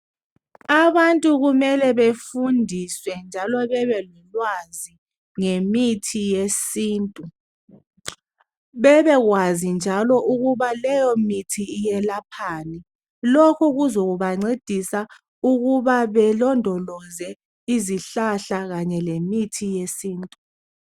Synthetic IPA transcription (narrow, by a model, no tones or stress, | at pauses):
aβantʼuɣumɛlɛβefundʱiswɛnd͡ʒʱalɔβɛβɛlɔlwazi | ŋemitʰijesiːntʼu | βɛβɛɣwazind͡ʒʱalɔʔuɣuβalɛjɔmitʰiːjɛlapʰani | lokʰuɣuzoɣuβaŋ͡ǀed̥ʱisa | uɣuβaβɛlɔndʱɔlɔzɛ | iziɬaɬaɣaɲɛlemitʰijesiːntʼu